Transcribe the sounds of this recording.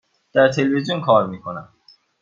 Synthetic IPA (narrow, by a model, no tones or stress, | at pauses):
t̪aɾt̪ʰelvid͡ʑunkʰɔːɾmikʰona